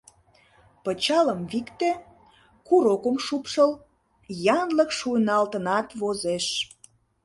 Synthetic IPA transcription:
pət͡ɕɑləmβikt̪e | kuɾokəmʃupʃəl | jɑnləkʃunɑlt̪ə̆nɑt̪βozeʃ

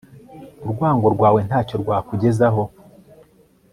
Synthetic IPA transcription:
uɾɡwaːŋɡo̞ɾɡwaːwe̞n̥haːco̞ɾɡwaːkuɟe̞zaɦo̞

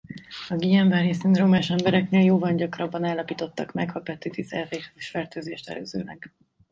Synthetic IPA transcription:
ɒɡiːɛɱvaːɾisinromaːʃɛmbɛɾɛkneːljoːvɒnɟɒkrɒbːɒnaːlːɒpiːt̪o̞t̪ːɒkmɛɡhɒpɛt̪ːit̪isɛːteːhɛzeʃfɛrt̪øːzeːʃt̪ɛ̰lø̰ːzø̰ːlɛ̰ɡ̥

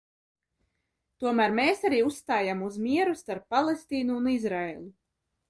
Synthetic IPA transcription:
t̪uɔmæːɾmeːsaɾiːusst̪aːjamuzmiɛɾust̪aɾpːalˠest̪iːnuːnizɾaeːlʲˠu

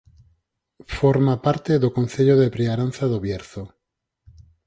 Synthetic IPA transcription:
foɾmapaɾt̪eðokon̟θeʎoðepɾeaɾan̟θaðoβjeɾθo

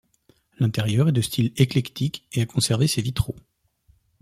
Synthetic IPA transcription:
lɛ̃t̪eʁjœʁɛd̪əst̪ʰileklɛkt̪ikeakɔ̃sɛʁvesevit̪χo

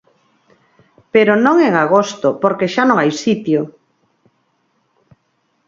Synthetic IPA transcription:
peɾonõŋeŋaɣost̪opoɾkeʃanõŋajsit̪jo

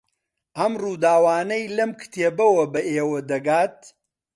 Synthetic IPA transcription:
ʔɐmruːd̪aːwaːnɐjlɐmkʰɨ̥t̪ʰeːbɐwɐbɐʔeːwɐd̪ɐɡaːt̪̚

